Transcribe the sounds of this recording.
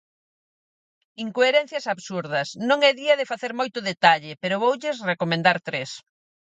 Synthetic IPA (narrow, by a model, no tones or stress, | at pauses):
iŋkoeɾɛn̟θjɐsaβsuɾðɐsnõŋɛðiɐðɪfaθeɾmojt̪ʊðet̪aʎɪpeɾʊβowʎɪsrekomẽnd̪aɾt̪ɾes